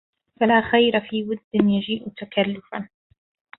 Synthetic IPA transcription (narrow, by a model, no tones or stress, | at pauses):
falaːxajɾafiːwʊd̪ːɪnjad͡ʒiːʔʊt̪akalːʊfan